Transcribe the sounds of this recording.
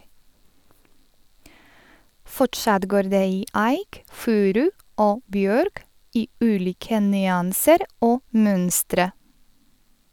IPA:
ˈfɔʈʃɑt ˈɡoːɾ ˈdeː ˈiː ˈæɪk ˈfʉːɾʉ ˈoː ˈbjøːɾk ˈiː ˈʉːˌliːkə nʏˈɑːnsəɾ ˈoː ˈmœnstɾə

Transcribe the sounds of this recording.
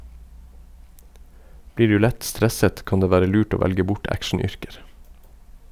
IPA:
ˈbliː ˈɖʉː ˈlɛt ˈstɾɛsət ˈkɑn ˈdeː ˈʋæːɾə ˈlʉːʈ ˈoː ˈʋælɡə ˈbʊʈ ˈækʃɳ̩ˌʏɾkəɾ

